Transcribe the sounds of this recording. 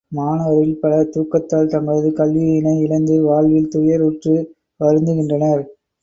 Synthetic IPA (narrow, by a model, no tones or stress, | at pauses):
maːnɐʋɐɾɪlpɐlɐt̪uːkːɐt̪ːaːlt̪ɐmɐɭɐðɯkɐlʋiɪnɐɪɪlɐnd̪ɯʋaːɻʋɪlt̪ʊjɐɾʊʈrɯ | ʋɐɾɯnd̪ɯɣɪndrɐnɐɾ